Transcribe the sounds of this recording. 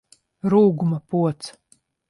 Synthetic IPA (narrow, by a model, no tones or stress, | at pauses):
ɾuːɡumapuɔt̪s